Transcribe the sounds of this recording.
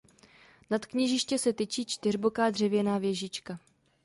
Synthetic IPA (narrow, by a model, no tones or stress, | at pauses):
nat̪kɲiʒɪʃcɛsɛt̪ɪt͡ʃiːt͡ʃt̪ɪrbo̞kaːdr̝ɛvjɛnaːvjɛʒɪt͡ʃka